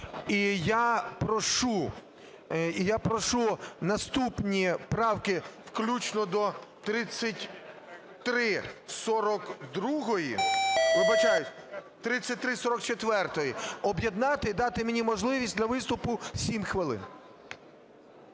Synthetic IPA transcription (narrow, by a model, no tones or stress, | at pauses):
ijapɾɔʃu | japɾɔʃunɐst̪upnʲipɾɑwkɪwklʲut͡ʃnɔd̪ɔt̪ɾɪt͡sʲːɐtʲ | t̪ɾɪsɔɾɔkd̪ɾuɦɔjiʋɪbɐt͡ʃɑjʊ | t̪ɾɪt͡sʲːɐt̚ʲt̪ɾɪsɔɾɔk̚t͡ʃet̪ʋɛrt̪ɔjiɔbjed̪nɑt̪ɪd̪ɑt̪ɪmenʲimɔʒlˠɪʋʲisʲtʲd̪lʲɐʋɪst̪ʊpʊsʲimxʋɪlˠɪ̰n